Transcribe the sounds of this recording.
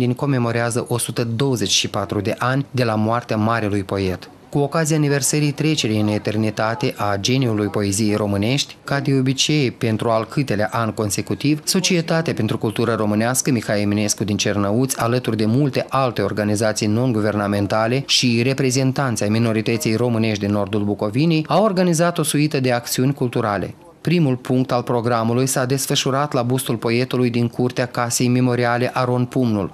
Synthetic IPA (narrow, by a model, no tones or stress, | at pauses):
d̪inʲko̞me̞mo̞ɾeazəʔo̞sut̪əd̪o̞wəze̞t͡ʃʲʃipat̪ɾud̪e̞ʔanʲd̪e̞lamoart̪eamaɾilujpo̞e̞t̪ | kuo̞kazijaːnive̞rsəɾijt̪ɾe̞t͡ʃe̞ɾejɨne̞t̪e̞rnit̪at̪e̞ʔad͡ʒe̞niulujpo̞e̞zije̞jro̞mɨne̞ʃt̪ʲkad̪eo̞bit͡ʃe̞jpe̞nt̪ɾualkʰɨt̪e̞laʔanʲko̞nse̞kut̪ivso̞t͡ʃie̞t̪at̪eape̞nt̪ɾukult̪uɾəɾo̞mɨnaskəmixaemine̞skud̪int͡ʃe̞rnəut̪sʲalət̪urd̪e̞mult̪e̞ʔalt̪e̞o̞rɡanizat̪sijno̞nɡuve̞rname̞nt̪ale̞ʃire̞pɾe̞ze̞nt̪ant̪sʲajmino̞ɾit̪ət̪sʲijro̞mɨne̞ʃtd̪inːo̞rd̪ulbuko̞vinejawo̞rɡanizat̪o̞suit̪əd̪e̞ak̚t̪siunʲkult̪uɾale̞̰ | pɾimulpuŋk̚t̪alpɾo̞ɡɾamulujsad̪e̞sfəʃuɾat̪labust̪ulpo̞e̞t̪ulujd̪iŋkurt̪eakase̞jmemo̞ɾiale̞ʔaɾo̞npumnṵl